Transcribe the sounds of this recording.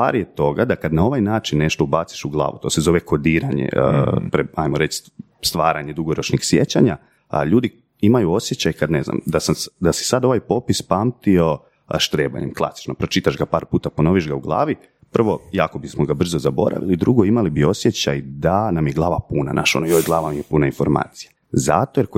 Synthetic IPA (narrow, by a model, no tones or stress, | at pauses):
sa̰ːɾjet̪o̞ɡad̪akad̪nao̞ʋajnaːt͡ʃinːe̞ʃt̪o̞ubat̪si̥ʃuɡlˠa̰ːʋut̪o̞se̞zo̞ʋekʰo̞d̪iːɾaɲḛpɾeajmoɾet͡ʃ | st̪ʋaːɾaɲed̪uɡo̞ɾo̞t͡ʃnixsjḛt͡ɕaɲa | ʎuːd̪i | imajuo̞sje̞t͡ɕajkad̪ne̞zna̰md̪asad̪asi̥sad̪o̞ʋajpo̞pispamt̪io̞ | ʃt̪ɾeːba̰ɲemklˠa̰si̥t͡ʃnopɾo̞t͡ʃit̪aʃɡapaːɾpuːt̪apo̞no̞ʋiʃɡauɡlˠa̰ːʋi | pər̩ʋo̞jaːko̞bismoɡabr̩zo̞zabo̞̰ɾa̰ʋḭlid̪ɾuɡo̞imalibio̞sjet͡ɕajd̪anamjeɡlˠaːʋapuna̰nʔa̰ʃo̞nojojɡlˠaːʋamijepunainfo̞̰ɾma̰ːt̪sija | za̰t̪o̞je